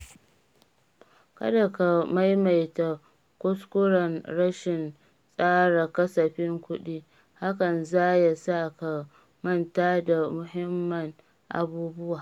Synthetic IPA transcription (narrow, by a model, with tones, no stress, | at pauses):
kɐ̰˦da˨ka˨ma˦jma˨jta˨ | kʷʊ˦skʷʊ˦ɽɐ˨nɽɐ˦ʃɪ˨n | sʼaː˦ɽa˨kɐ˦sɐ˨ɸɪ˦ŋkʷʊ˦ɗiː˦ | ha˦kɐ˨nzaː˦ja˦sa˦ka˨ | mɐ˦˨ntaː˦da˨mʊ˨hɪ˦mːɐ˨ŋ | ʔa̰˨buː˦bʊ˦waː˨